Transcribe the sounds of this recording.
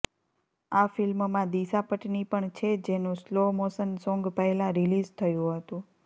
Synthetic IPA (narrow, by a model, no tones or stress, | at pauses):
afɪlmmãd̪isapəʈnipəɳt͡ʃʰed͡ʒenũslomosənsɔ̃ŋɡpəelãɾilizt̪ʰəjũɦət̪ũ